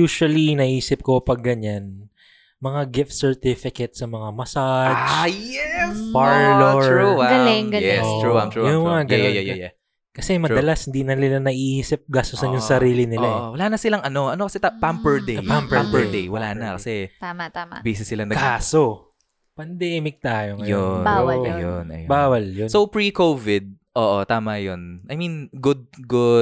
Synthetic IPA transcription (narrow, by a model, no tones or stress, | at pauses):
juːʃʊɐlinɐʔiːsɪp̚kopɐɡːɐɲan | mɐŋaɡɪft̪sɛɹt̪ɪfɪkɐt̪̚sɐmɐŋamɐsad͡ʒjɛpɐɹloɹuɡɐlɛŋɡɐljɛsoɹuɹjaɡɐajjjɛ | kɐsɛmɐɐlashɪnd̪inɐnɪlanɐʔiʔiːsɪp̚ɡaːst̪ʊsɐnjʊŋsɐɾiːlɪnɪlawɐlaːnɐsɪlɐŋɐno̞ʔɐnokɐsɛt̪apampɛɹd̪ejpampampɛd̪ejwɐlaːnɐkɐsɛt̪aːmɐt̪aːmɐ̰biːsɪsːɪlɐnɐɡaaːso | pɐnd̪ɛːmɪk̚t̪aːjo̞ŋɐjobajjoɐjonɐ̰jbaːwɐljonsowpɹikowvɪd̪̚ | ʔoːʔot̪aːmɐjonʔɐjmĩnɡʊd̪̚ɡʊ